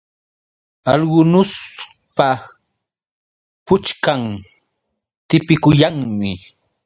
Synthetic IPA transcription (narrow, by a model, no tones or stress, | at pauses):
ɑʎɢʊnʊs | pa | pʊt͡ʃkaŋ | t̪ɪpɪkʊjaŋmɪ